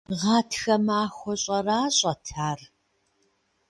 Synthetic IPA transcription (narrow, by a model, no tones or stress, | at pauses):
ʁɑːtʰxɐmaːxʷɔɕʼɐraːɕʼɐtʰaːr